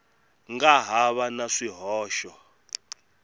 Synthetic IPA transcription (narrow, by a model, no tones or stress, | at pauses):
ŋɡaɦaβanaʂiɦɔːʃɔ